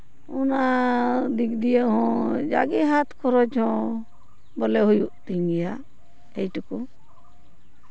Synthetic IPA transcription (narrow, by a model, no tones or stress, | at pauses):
ɔnad̪ikd̪ijəɦɔ̃d͡ʒa̰ɡiɦat̪kʰɔɾɔd͡ʒɔ̃ | bɔlɛɦujuʔt̪iŋɡɛja | ejʈku